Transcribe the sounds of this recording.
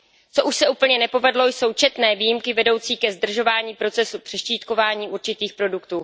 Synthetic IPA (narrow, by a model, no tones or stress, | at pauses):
t͡soʔuʃsɛuːpl̩ɲɛnɛpo̞vɛdlo̞jso̞wt͡ʃɛt̪nɛːvijimkɪvɛdo̞wt͡siːkɛzd̪r̩ʒo̞vaːɲiːpɾo̞t͡sɛsupr̥ɛʃt͡ʃiːt̪ko̞vaːɲiːʔuɾt͡ʃɪt̪iːxpɾo̞dukt̪uː